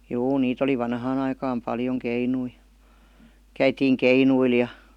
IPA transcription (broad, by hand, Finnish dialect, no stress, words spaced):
juː niːt oli ʋɑnhɑːn ɑikɑːm pɑljoŋ keinui kæitiːŋ keinuil jɑ